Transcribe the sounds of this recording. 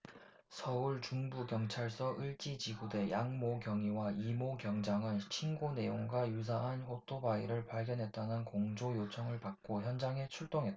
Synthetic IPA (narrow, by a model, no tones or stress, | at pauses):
sʰʌuɭt͡ɕuŋbukjʌŋt͡ɕʰaɭs͈ʌʔɯɭt͡ɕ͈id͡ʑiɡude̞jaŋmokjʌŋiwaimokjʌŋd͡ʑaŋɯnɕʰinɡone̞joŋɡwajus̬ʰaɦanɸotʰobaiɾɯɭpaɭɡjʌnɦe̞t̚t͈anɯnkoŋd͡ʑojot͡ɕʰʌŋɯɭpak̚k͈oçjʌnd͡ʑaŋɦe̞t͡ɕʰuɭt͈oŋɦe̞t̚t